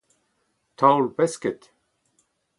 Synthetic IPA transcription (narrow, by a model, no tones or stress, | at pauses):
t̪ʰawlbɛskət̪